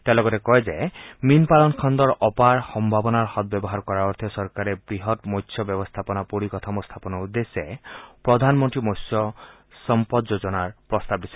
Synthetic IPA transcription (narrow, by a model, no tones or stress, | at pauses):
t̪alɔɡɔɾekɔed͡ʒeminpalɔnkʰɔnd̪ɔɾɔpaɾhɔmbʱabɔnaɾhɔt̪̚bɔbɔɦaɾkɔɾaɔɾt̪ʰiɔsɔɾkaɾebɾiɦɔt̪mɔjtʰːjɔbjɔbɔst̪ʰapɔnapuɾikɔt̪ʰamɔst̪ʰapɔnɔud̪ːesepɾɔd̪ʱanmɔnt̪ɾimojsjɔ | sɔmpɔd̪d͡ʒod͡ʒɔnaɾpɾɔst̪ab̚d̪isʰe̥